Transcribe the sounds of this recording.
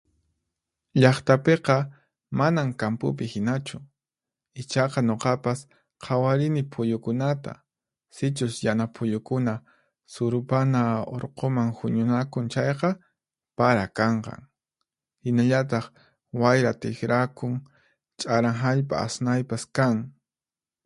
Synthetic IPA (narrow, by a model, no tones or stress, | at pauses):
ʎɑχt̪apeqɑ | manaŋkampʊ̰p̬ɪhɪnat͡ʃʊ | ɪt͡ʃɑqɑɲoqɑpas | qʰɑwaɾɪnɪpʰʊjʊkʊnat̪a̰ | sɪt͡ʃʊsjanapʰʊʎʊkʊna | sʊɾʊpanao̰ɾqomaŋhʊɲʊnakʊŋt͡ʃajqɑ | paɾakɑɴqɑ̰ŋ | hɪnaʎat̪̬ɑχ | wajɾat̪ɪxɾakʊŋ | t͡ʃʼaɾaŋɦaʎpʼa̰ːsnajpaskaŋ